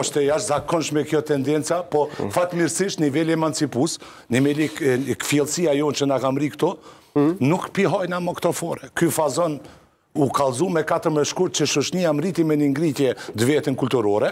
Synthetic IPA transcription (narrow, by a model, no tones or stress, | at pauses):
ɔʃt̪ɛjaʃzakɔnʃmɛkjɔt̪ɛnd̪ɛnt͡sapɔfat̪miɾsiʃt̪nivɛlɛmant͡sipus | nimɛlikfiɛlˠsiajɔnt͡ʃənakamɾikt̪ɔ | nukpiɦɔjnamɔkt̪ɔfɔɾɛkyfazɔn | ukalˠzumɛkat̪əɾmɛʃkuɾt̪̚t͡ʃəʃuʃniamɾit̪imɛniŋɡɾit̪jɛd̪əvɛt̪ənkulʲt̪uɾɔɾɛ